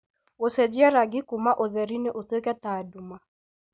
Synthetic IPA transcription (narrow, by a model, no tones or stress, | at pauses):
wosɛd͡ʒɪaɾaɡɪkumaʔoðɛɾineʔoθekɛtaduma